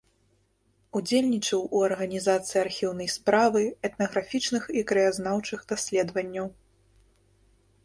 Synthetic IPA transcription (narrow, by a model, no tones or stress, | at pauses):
ud͡zʲelʲnʲit͡ʂɐwuɐrɣɐnʲizat̪sɨjiarxʲiwn̪ɐjspɾavɨɛt̪nɐɣɾafʲit͡ʂnɨxikɾɛjaznawt͡ʂɨxd̪asʲlʲɛd̪vɐnʲːɐw